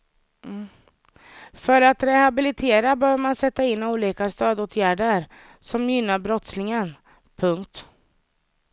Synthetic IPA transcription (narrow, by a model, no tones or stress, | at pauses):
fœɾat̪ɾɛhabɪlɪt̪ʰeːɾabœːvəɾmansɛt̪ːaɪnːuːliːkast̪øːd̪oːt̪ʰjæːɖəɾ | sɔmjʏnːaɾbɾɔt̪slɪŋən | pʰɵŋkt̪